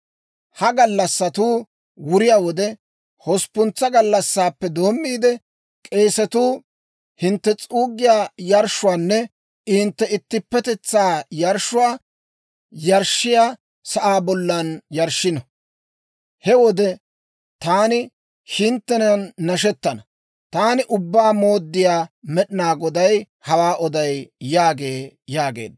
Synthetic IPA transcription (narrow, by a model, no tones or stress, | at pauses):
hɐɡɐlːɐsːɐt̪uː | wʊɾɪjaːwɔd̪ɛ | hɔspʊnt͡sːɐɡɐlːɐsːaːpːɛd̪o̞ːmːiːd̪ɛ | kʼe̞ːsɛt̪uː | hɪnt̪ːɛt͡sʼuːɡːɪjaːjɐɾʃʊwaːnːɛ | ɪnt̪ːɛɪt̪ːɪpːɛt̪ɛt͡sːaːjɐɾʃʊwaː | jɐɾʃːɪjaː | sɐʔaːbɔlːɐnjɐɾʃɪnɐ | hɛwɔd̪ɛ | t̪aːnɪ | hɪnt̪ːɛnɐnːɐʃɛt̪ːɐnɐ | t̪aːnɪʔʊbːaːmoːd̪ːɪjaːmɛɗɪnaːɡɔd̪ɐj | hɐwaːʔɔd̪ɐjːaːɡe̞ːjaːɡḛːd̪ː